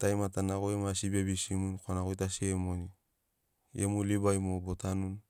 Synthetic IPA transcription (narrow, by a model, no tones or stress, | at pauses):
tajmatanaɣoemasibiabisimunkoanaɣojtasiemoni | emulibajmobotanun